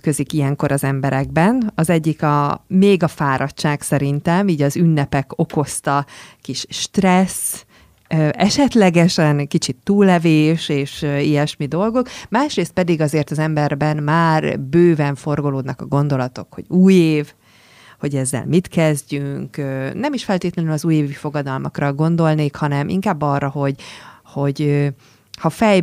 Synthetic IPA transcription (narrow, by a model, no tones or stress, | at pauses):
køzikijɛŋko̞ɾʔɒzɛmbɛɾɛɡbɛnɒzɛɟːikɒmeːɡɒfaːɾɒct͡ʃaːksɛɾint̪ɛmiːɟɒzynːɛpɛko̞ko̞st̪ɒkiʃʃt̪rɛs | ɛʃɛt̪lɛɡɛʃɛnkit͡ʃit̪ːuːlːɛveːʃeːʃijɛʃmid̪o̞lɡo̞kmaːʃreːst̪̚pɛd̪iɡɒzeːrt̪ɒzɛmbɛrbɛnmaːrbøːvɛɱfo̞rɡo̞loːd̪nɒkɒ̰ɡo̞nd̪o̞lɒt̪o̞kho̞̰ɟuːjeːv | ho̞ɟɛzːɛ̰lmit̪kɛzɟyŋkønɛmiʃfɛlt̪eːt̪lɛnylɒzuːjeːvifo̞ɡɒd̪ɒlmɒkrɒɡo̞nd̪o̞lneːkhɒnɛmʔḭŋkaːbːɒrːɒɦo̞ɟho̞ɟø | hɒfɛj